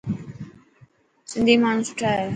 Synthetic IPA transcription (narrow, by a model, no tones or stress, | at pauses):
sɪ̃nd̪ʱiːmaːɳ̤ũːsʊ̥ʈʰaːje